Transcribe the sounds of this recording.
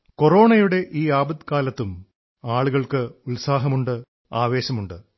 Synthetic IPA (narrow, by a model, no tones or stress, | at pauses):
koro̞ːɳɐjuɽe̞ʔiːaːbɐd̪kaːlɐt̪ːum | aːɭuɣɐɭkɨulsaːɦɐmuɳɖɨ | aːʋe̞ːɕɐmuɳɖɨ